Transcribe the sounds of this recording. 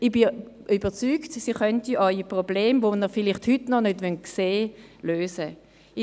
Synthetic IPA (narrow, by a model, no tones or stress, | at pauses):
ɪbi | yːbət͡syːktsiχœntiʔɑipʁobleːmvonəfɪlɪχthytnɔnødʋɛnkseːløːsə